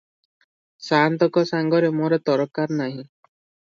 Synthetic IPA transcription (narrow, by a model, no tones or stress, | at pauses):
sant̪ɔkɔsaŋɡɔɾemoɾɔt̪ɔɾɔkːaɾnaɦĩ